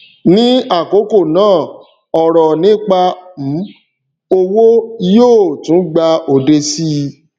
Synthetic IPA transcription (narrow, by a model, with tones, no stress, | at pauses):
nĩ˦a˦˨ko˨˦ko˦˨nãː˦˨ | ɔ˨ɾɔ˨nĩ˦k͡pa˧m̩˨˦ | o˧wo˦joː˦˨tũ˨˦ɡ͡ba˧o˨de˧si˦˧